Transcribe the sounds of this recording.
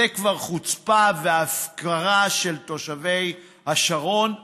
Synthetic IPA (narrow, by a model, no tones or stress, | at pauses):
ekvaʁχut͡spaveafkaʁaʃelt̪o̞ʃavej | haʃaʁo̞n